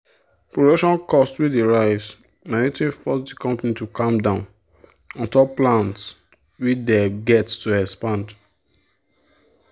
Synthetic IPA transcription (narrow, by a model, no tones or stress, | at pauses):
pɹodoʃɔ̃nkɔstwideɹaɪs | mɛnitɹĩfɔsdikɔ̃mpanitukɔ̃mdãʊ̃n | ɔ̃ntɔplãnts | wit͡ʃdeɡɛttuɛkspãnd